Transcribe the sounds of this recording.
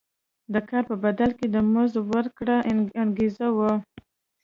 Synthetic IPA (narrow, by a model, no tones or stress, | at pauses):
d̪əkɑɾpəbad̪alked̪əməzwəɾkɽaanɡezawə